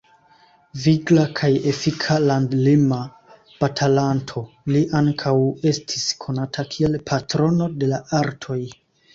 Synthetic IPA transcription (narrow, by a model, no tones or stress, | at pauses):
viɡlakʰaje̞fikʰalandlima | patʰalantʰo̞ | liʔaŋkʰawe̞stʰiskʰo̞natʰakʰie̞lpʰatɾo̞no̞de̞laʔaɾtʰo̞j